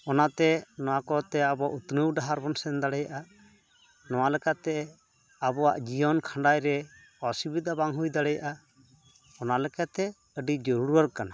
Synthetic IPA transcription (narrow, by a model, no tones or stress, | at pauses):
ɔnat̪ɛnɔwakɔt̪ɛabɔaʔut̪nəwɖaɦaɾbɔnsɛnd̪aɽɛjaʔa | nɔwalɛkat̪ɛ | abɔwa̰ʔd͡ʒijɔnkʰãɳɖajɾɛ | ɔsibid̪abaŋɦujd̪aɽɛja̰ʔa | ɔnalɛkat̪ɛ | əɖid͡ʒɔɾuɽuaɾkana